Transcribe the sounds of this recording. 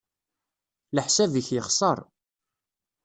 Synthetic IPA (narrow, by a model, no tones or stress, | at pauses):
ləħsæviçjəχsˤəɾˤ